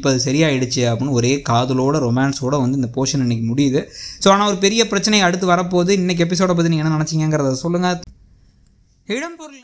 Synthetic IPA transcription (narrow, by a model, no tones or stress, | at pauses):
pːɐːɐðɯsɐɾɪjaːɪɽɯt͡ʃːɯɐpːɪnːɯɔɾeːkaːðɯloːɽɐɾɔmaːnsoːɽɐʋɐnd̪ɯɪnd̪ɐpoːʂɐnɛnːɛk̬ːɯmʊɽɪjðɯsoːaːnaːɔɾɯpɛɾɪjɐpɪɾɐt͡ʃːɐnɐjɐɐɽɯt̪̬ːɯʋɐɾɐpːoːðɯɪnːɛk̬ːɛp̬ːɪs̬oːɽɐp̬oːðnĩːŋɡɛnːɐnɐnɐt͡ʃːɪŋɡɐŋɡɐɾɐðaːðɯsɔlːɯŋɡɐ | ɪɽɐmpɔɾ